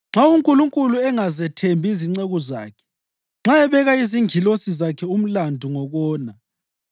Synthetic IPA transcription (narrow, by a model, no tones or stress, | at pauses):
ŋ͡ǁauŋkʼuluŋkʼuluɛŋazɛtʰembʱiziŋ͡ǀeɣɔza̰ːkʰɛ̥ | ŋ͡ǁaɛβɛɣaiziŋʱilosizakʰɛum̩landʱuŋɔɣɔːna